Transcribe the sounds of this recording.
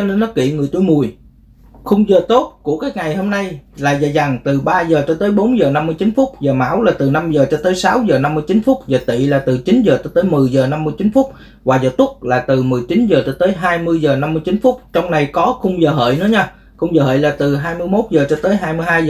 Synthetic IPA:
ne˧nɔ˨˦kḭ˧˨ŋɨ˨˩əjt̪u˧˩jmu˨˩əj | xʊ˧wŋ͡mzəː˨˩t̪o˦˥t̚ku˧˩əkaː˨˦jŋa˨˩jho˧mna˧jlaː˨˩zəː˨˩za˨˩ŋt̪ɨ˨˩ɓaː˧zəː˨˩t͡ɕɔ˧t̪əː˨˦jɓo˨˦nzəː˨˩na˧mːɨ˧jt͡ɕi˨˦nfʊ˦˥k͡p̚zəː˨˩ma̰ː˧˥˩wlaː˨˩t̪ɨ˨˩na˧mzəː˨˩t͡ɕɔ˧t̪əː˨˦jsa˨˦wzəː˨˩na˧mːɨ˧jt͡ɕi˨˦nfʊ˦˥k͡p̚zəː˨˩t̪ḭ˧˨laː˨˩t̪ɨ˨˩t͡ɕi˨˦nzəː˨˩t͡ɕɔ˧t̪əː˨˦jmɨ˨˩əjzəː˨˩na˧mːɨ˧əjt͡ɕi˨˦nfʊ˦˥k͡p̚ | vwaː˨˩zəː˨˩t̪ʊ˦˥k͡p̚laː˨˩t̪ɨ˨˩mɨ˨˩əjt͡ɕi˨˦nzəː˨˩t͡ɕɔ˧t̪əː˨˦jɦaː˧jmɨ˧jzəː˨˩na˧mːɨ˧ət͡ɕi˨˦nfʊ˦˥k͡p̚t͡ɕɔ˧wŋ͡mna˨˩jkɔ˨˦xʊ˧ŋ͡mzəː˨˩ɦə̰ː˧˨jnɨ̰˧˦əɲaː˧ | xʊ˧ŋ͡mzəː˨˩ɦə̰ː˧˨jlaː˨˩t̪ɨ˨˩ɦaː˧jmɨ˧əjmo˦˥t̚zəː˨˩t͡ɕɔ˧t̪əː˨˦jɦaː˧jmɨ˧əjɦaː˧jz

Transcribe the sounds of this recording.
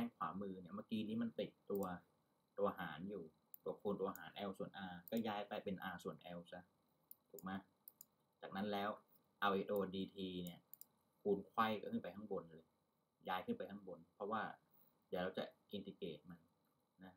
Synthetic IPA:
ɛː˥ŋkʰwaː˩˦mɯː˧ni˥˩ɐmaː˧˥˩kiː˧niː˦˥ma˧˥˨np̪i˨˩t̪̚t̪u˧ɐ | t̪u˧ɐhaː˩˦njuː˨˩ | puː˧˩kʰuː˧nt̪u˧ɐ˧ɦaː˩˦nʔɛː˧wsu˨˩ənʔaː˧kɔː˥˩jaː˦˥jpa˧˩jpe˧nʔaː˧su˨˩ənʔɛː˧wsa˦˥˩ | t̪ʰuː˨˩k̚maː˦˥ | t͡ɕaː˨˩k̚na˦˥nlɛː˦˥w | ʔa˧wʔe˨˧ʔt̪uː˧diː˧t̪ʰiː˧ni˥˩ɐ | kʰuː˧nkʰwa˧˥˩jkɔː˥˩kʰɯ˥˩pa˧jt̪ʰa˧˥ŋbo˧nlɤː˧j | jaː˦˥jkʰɯ˥˩npa˧jt̪ʰa˧˥ŋbo˧npʰɾɔ˦˥waː˥˩ | di˨˩ɾa˧˩wt͡ɕa̰˨˩ʔʔi˧nt̪i˧keː˨˩t̪̚ma˧n | na˦˥

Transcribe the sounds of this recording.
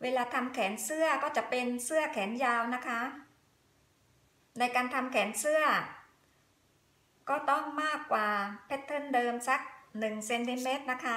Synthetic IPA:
weː˧laː˧t̪ʰa˧mkʰɛː˩˦nsɯ˥˩ɐkɔː˥˩t͡ɕa˨˩ʔpe˧nsɯ˥˩ɐkʰɛː˩˦njaː˧wna˦˥kʰa˦˥ | na˧jkaː˧nt̪ʰa˧mkʰɛː˩˦nsɯ˥˩ɐ | kɔː˥˩t̪ɔ˥˩ŋmaː˥˩kːwaː˨˩pʰe˦˥t̪ʰːɤ˥˩ndɤː˧msa˦˥k̚nɯ˨˩ŋse˧nt̪i˧meː˦˥t̪̚na˦˥kʰa˦˥

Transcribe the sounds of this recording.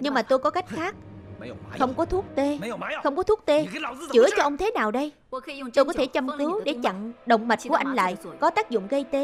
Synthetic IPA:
ɲɨ˧ŋmaː˨˩t̪o˧jkɔ˨˦ka˦˥jk̟̚xaː˦˥k̚ | xə˧wŋ͡mkɔ˨˦t̪ʰu˦˥ək̚t̪e˧˦xə˧wŋ͡mkɔ˨˦t̪ʰu˦˥ək̚t̪e˧˦t͡ɕɨ˧˩ət͡ɕɔ˧ʔə˧wŋ͡mt̪ʰe˨˦naː˨˩wɗə˧j | t̪o˧jkɔ˨˦t̪ʰe˧˩t͡ɕə˧mkɨ˨˦wɗe˧˩t͡ɕə̰˧˨ŋɗə̰˧˨wŋ͡mmə˨˩t̚ku˧˩əʔa˧jŋ̟la̰ː˧˨jkɔ˨˦t̪aː˦˥k̚zʊ̰˧˨ŋ͡mɣə˧jt̪e˨˦

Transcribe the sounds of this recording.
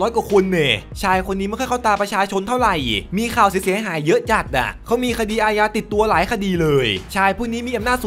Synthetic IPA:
lɔː˦˥jkwaː˨˩kʰu˧nːe˨˩t͡ɕʰaː˧jkʰo˧nːiː˦˥m˦˥˩kʰːkʰːt̪aː˧˩pɾa˧t͡ɕʰaː˧t͡ɕʰo˧nt̪ʰa˥˩wɾa˨˩jmiː˧kʰaː˨˩ws̬i˩˦si˩˦əɦaː˩˦jːɤ˦˥ʔt͡ɕa˨˩k̚na̰˧˩kʰa˦˥wmiː˧kʰa˧diː˧ʔaː˧jaː˧t̪i˨˩t̪ːu˧ɐlaː˩˦jkʰa˧diː˧lɤː˧jt͡ɕʰaː˧jpʰuː˥˩niː˦˥miː˧ʔa˧mnaː˥˩t̪s

